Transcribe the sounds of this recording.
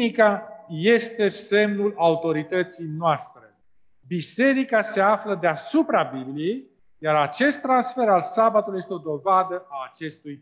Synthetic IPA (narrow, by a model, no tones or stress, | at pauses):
ikaje̞st̪e̞se̞mnulaut̪o̞ɾit̪ət̪sijnoast̪ɾe̞ | bise̞ɾikase̞afləd̪easupɾabiblije̞j | jaɾat͡ʃe̞st̪ːɾansfe̞ɾalsabat̪ulujest̪eo̞d̪o̞vad̪əaːt͡ʃe̞st̪uj